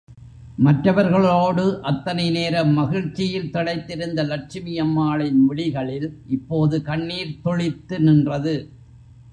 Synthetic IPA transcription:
mɐʈrɐʋɐɾɣɐɭoːɽɯʔɐt̪ːɐnɐɪneːɾɐmːɐɣɪɻt͡ʃːɪjɪlt̪ɔɽɐɪt̪ːɪɾɯnd̪ɐlɐʈ̚t͡ʃɪmɪjɐmːaːɭɪnʋɪɭɪɣɐɭɪlʔɪpːoːðɯkɐɳːiːɾt̪ɔɭɪt̪ːɯnɪndrɐðɯ

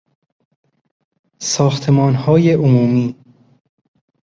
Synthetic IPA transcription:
sɒːxt̪ʰemɒːnhɒːjeʔomuːmiː

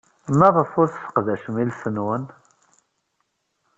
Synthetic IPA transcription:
mæðˤəfʊɾθθə̥qðæʃmilsənwən

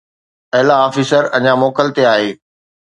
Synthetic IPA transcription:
ɐɦɪlaɔːfiːsəɾɐɲamoːkəlt̪eaːɦeː

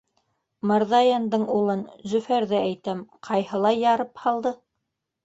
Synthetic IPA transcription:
mɑɾðɑjɑnd̪ɤɴulˠɤnzɵ̆fæɾðææjt̪æmqʰɑjhɤ̆lˠɑjːɑɾɤphɑlˠd̪ɤ

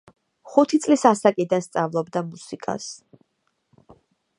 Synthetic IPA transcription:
χut̪ʰit̪sʼlisasakʼid̪anst̪sʼavlˠɔbd̪amusikʼa̰s

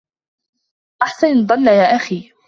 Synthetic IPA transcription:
ʔaħsand̪ˤɑlːajaːʔaxiː

